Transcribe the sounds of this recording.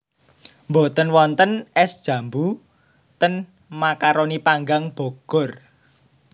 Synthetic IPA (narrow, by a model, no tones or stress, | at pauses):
mbot̪ənwɔnt̪ənɛsd̥ʒ̥ä̤mbu | t̪ən | makaɾonipaŋɡaŋb̥o̤ɡ̥ɔ̤r